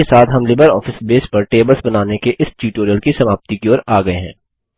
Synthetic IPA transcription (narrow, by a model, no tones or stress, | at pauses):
esaːt̪ʰɦɐmlɪbəɾɔːfɪsbeːspɐɾʈeːbəlsbɐnaːnekeʔɪsʈjuːʈoːɾijəlkisɐmaːp̚t̪ikioːɾaːɡɐeɦɛ̰̃ː